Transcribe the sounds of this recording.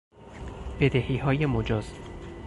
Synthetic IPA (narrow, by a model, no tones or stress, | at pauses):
b̥ed̪ehiːɦɒːjemod͡ʒɒːz̥